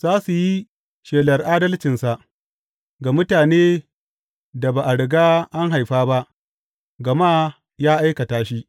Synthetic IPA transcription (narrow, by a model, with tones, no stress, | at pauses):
z̥aː˦su˨ji˦ | ʃeː˨lɐ˨rʔaː˦dɐ˦lt͡ʃɪ˨nsa˨ʔ | ɡa˨mʊ˦taː˨neː˦ | da˨baː˨ʔa˨ɽɪ˨ɡaː˦ʔa˦ŋɦa˨jɸaː˦ba˦ʔ | ɡɐ˨maː˦ | jaː˦ʔa˦jkɐ˨taː˦ʃi˦